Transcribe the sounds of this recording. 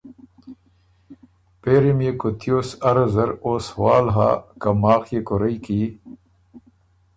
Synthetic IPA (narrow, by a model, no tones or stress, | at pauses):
peːɾimjekot̪joːsɐɾɐzɐɾoːswaːlɦa̰kɐmaːxjekoɾɐjki